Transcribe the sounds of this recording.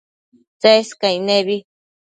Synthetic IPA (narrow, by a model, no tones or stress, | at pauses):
t͡seskaineβi